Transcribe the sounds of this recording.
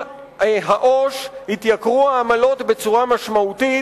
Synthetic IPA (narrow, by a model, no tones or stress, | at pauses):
ɦaʔo̞ʃhit̪jakʁuaːmalo̞t̪be̞t͡suʁamaʃmauti